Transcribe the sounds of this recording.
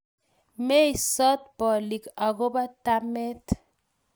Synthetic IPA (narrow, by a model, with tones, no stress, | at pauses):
me˦jsɔ˦t̪̚bɔ˨li˨ka˨ɡo˦ba˦t̪a˦me˦t̪